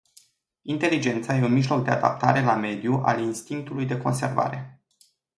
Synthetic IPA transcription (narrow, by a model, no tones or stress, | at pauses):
int̪e̞lid͡ʒe̞nt̪saje̞unmiʒlo̞k̚d̪e̞ad̪a̰p̚t̪aɾe̞lame̞d̪juʔa̰linst̪iŋk̚t̪ulujd̪e̞ko̞̰nse̞rva̰ɾe̞